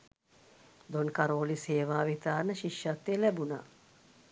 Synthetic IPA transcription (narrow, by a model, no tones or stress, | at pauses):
d̪onkaɾoːliseːʋaːʋit̪aːnəʃiʃːat̪ːeːlæbuna̰